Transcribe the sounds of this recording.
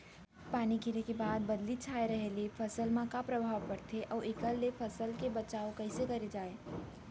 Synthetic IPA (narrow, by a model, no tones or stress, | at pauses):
paːnikʰɪɾekebaːd̪̚bɐd̪lit͡ʃʰaːeɾəɦelefʰɐsəlmãkapɾəbʱaːʋpɐɽt̪ʰeʔɔːʔɪkəlːefʰəsəlkebɐt͡ʃaːokɐɪsekɐɾed͡ʒaːe